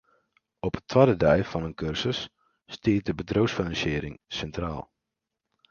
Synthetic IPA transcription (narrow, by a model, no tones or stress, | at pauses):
ɔpətʰʋwadədɛjfɔnənkʰørsəsː | tiət̚dəbədrowsfinɑnsɪːɾɪŋsɛntraːlˠ